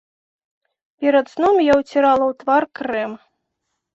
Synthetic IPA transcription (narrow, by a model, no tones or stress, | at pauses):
pʲɛɾɐt̪snɔmjawt͡sʲɛɾalˠɐwt̪varkrɛm